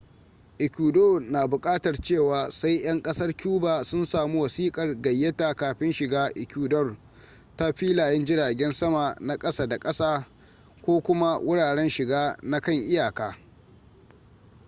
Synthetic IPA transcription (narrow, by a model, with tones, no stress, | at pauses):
ʔɪ˨kʲuː˨doː˦˨naː˨bʊ˨kʼaː˦tɐ˨rt͡ʃeː˦˨waː˨sa˦jj̰ɐ˦ŋkʼɐ˦sɐ˦rkʲuː˦baː˨sʊ˦nsaː˨mu˦wɐ˨siː˦kʼɐ˨rɡɐ˨jːɐ˦ta˨kaː˨ɸɪ˦nʃɪ˨ɡaː˦ʔɪ˨kʲuː˨dɔ˦r | ta˦ɸiː˦laː˨jɛ˦nd͡ʒɪ˦ɽaː˨ɡʲɛ˦nsɐ˦ma˨na˦kʼɐ˦saː˦da˨kʼɐ˦saː˦ | kʷoː˦kʷʊ˦ma˦wʔʊ˦ɽaː˨ɽɛ˦nʃɪ˨ɡaː˦na˦kɐ˦˨ŋʔɪ˦jaː˨kaː˨